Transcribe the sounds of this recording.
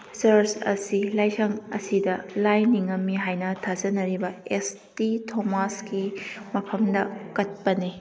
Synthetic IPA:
sɐɾsɐ̰silajsɐŋɐ̰sidɐlajniŋɐmːiɦajnɐtʰazɐnɐɾibɐestitʰomaskimɐpʰɐmdɐkɐt̚pɐni

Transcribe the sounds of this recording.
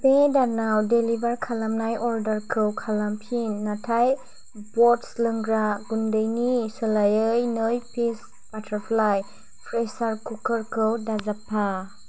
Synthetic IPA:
pedanawdelibaɾkʰalamnajʔɔɾdaɾkʰɾɯwkʰalampʰinːatʰaj | bɔtslɯŋɡɾaɡundɯjnisɯlajɯjnɯjpʰis | patʰaɾpʰlaj | pʰɾesaɾkukʰəɾkɾɯwdazapʰːa

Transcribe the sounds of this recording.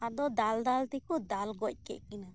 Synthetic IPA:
ad̪ɔd̪ald̪alt̪ɛkɔd̪alɡɔc̚ˀkɛ̰ʔkina

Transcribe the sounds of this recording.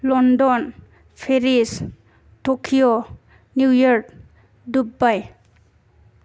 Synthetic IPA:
lɔndɔn | pʰeɾis | tokʰijɔ | njujɔɹd | dubaj

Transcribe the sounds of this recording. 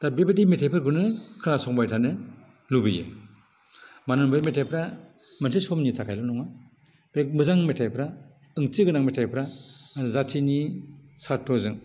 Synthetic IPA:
tabebetimetʰajpʰɯɾɡɯnɯkʰɯnasɔŋbajtʰanɯ | lubijḛ | manɯŋbajmetʰajpʰɾa | mɯnsʰisɔmnitʰakʰajlanɔŋa | b̥ek̚mɯzaŋmetʰajpʰɾa | ɯŋt͡ʃiɡɯnaŋmetʰajpʰɾazatʰinisaɾtːɔzɯŋ

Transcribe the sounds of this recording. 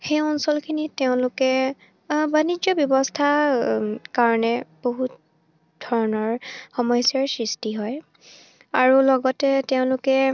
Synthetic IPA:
xejɔnsɔlkʰiniteʊ̃lʊkɛ | banid͡ʒɔbjɔbɔstʰa | kaɹɔnɛb̥oɦut | dʱɔɹɔnɔɹxɔmɔjsjaɹsɹistiɦɔj | aɹulɔɡɔtɛteʊ̃lʊkɛ

